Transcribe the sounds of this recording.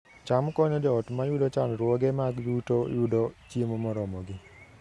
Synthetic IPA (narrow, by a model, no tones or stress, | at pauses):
t͡ʃamkɔɲɔd͡ʒɔɔtmajʊdɔt͡ʃanɾwɔɡɛmaɡjutojudɔt͡ʃjemomɔɾɔmɔɡɪ